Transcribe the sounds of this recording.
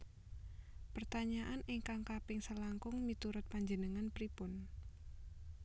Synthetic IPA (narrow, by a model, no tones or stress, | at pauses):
pərt̪aɲaʔanʔɪŋkaŋkapɪŋsəlaŋkʊŋmit̪uɾʊt̪̚paɲd͡ʒənəŋanpɾipʊn